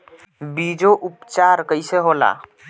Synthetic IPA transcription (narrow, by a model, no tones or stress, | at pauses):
bid͡ʒoʔupt͡ʃaɾkəɪseɦola̰